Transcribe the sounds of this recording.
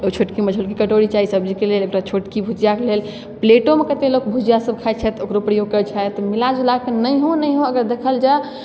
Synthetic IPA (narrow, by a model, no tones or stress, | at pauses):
ot͡ʃʰoʈkiməd͡ʒʱolkikəʈoɽit͡ʃaɦisəbd͡ʒikelelekɾat͡ʃʰoʈkibʱud͡ʒijakelel | pleʈomekət̪elokbʱud͡ʒijasəb̚kʰat̪̚t͡ʃʰɛt̪okɾopɾəjoɡ̚kəɾt͡ʃʰaet̪milad͡ʒulakenəjɦonəjɦoəɡəɾd̪ekʰəld͡ʒa